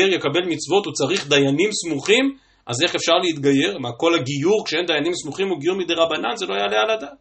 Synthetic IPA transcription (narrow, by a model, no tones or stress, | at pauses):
eʁjekabe̞lmit͡svo̞t̪ut͡saʁiχd̪ajanimsmuχim | ʔaze̞χefʃaʁleit̪ɡaje̞ʁmako̞laɡijuʁkʃeend̪ajanimsmuχimuɡijuʁmid̪eʁabananzelo̞ajalealad̪aːt